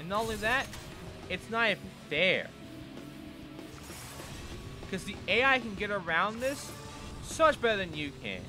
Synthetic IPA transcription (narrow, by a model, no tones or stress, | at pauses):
ɨ̃nõl̩iðæɾ | ɨtsnəɾɨffɛɹ | kʰʌzðieɪaɪkɨ̃n̩ɡɛɾə˞ãʊ̃nðɪsː | oʊmʌt͡ʃb̥ɛɾə˞ðɨ̃njɨkʰɨ̰̃n